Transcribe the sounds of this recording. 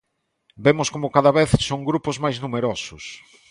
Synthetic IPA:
bemʊskomʊkaðɐβeθsoŋɡɾupʊzmajznumeɾɔsʊs

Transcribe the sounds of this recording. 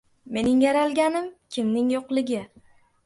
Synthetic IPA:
me̞nɪŋjaɾalˠɡʲanɪmkʲʰɪmnɪŋjoqlɪɡʲɪ

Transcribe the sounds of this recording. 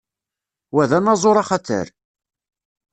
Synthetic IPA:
wæðænɑzˤoɾˤɑχɑt̪ə̰ɾ

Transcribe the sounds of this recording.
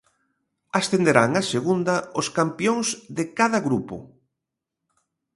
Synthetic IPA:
asθend̪eɾaŋaseɣund̪ɐoskampjoŋzðɪkaðɐɣɾupʊ̰

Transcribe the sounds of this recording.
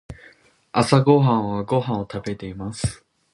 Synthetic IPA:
asaɡo̞ɦãɰ̃βaɡo̞ɦãɰ̃ot̪abe̞t̪e̞imasɨ̥

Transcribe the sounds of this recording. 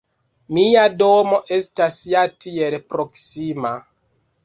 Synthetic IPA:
miadomo̞ʔe̞stasjatielpɾoksima

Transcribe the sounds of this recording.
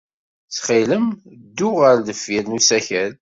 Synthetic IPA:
θχiləmd̪ːʊʁəɾðəfːiɾnusæçæl

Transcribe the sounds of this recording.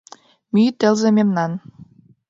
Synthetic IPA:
mit̪ɘ̆lzĕmemnɑn

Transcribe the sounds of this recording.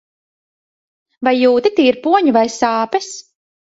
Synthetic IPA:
vajːuːt̪it̪iːiɾpuɔɲuvajsaːpɛs

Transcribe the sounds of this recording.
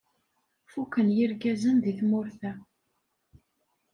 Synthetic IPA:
fukənjiɾɡæzənðiθmʊɾθæ

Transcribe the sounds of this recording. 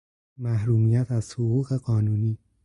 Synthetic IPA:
mæhɾuːmijæt̪ʰæz̥hoɣuːɣe̞ɢɒːnuːniː

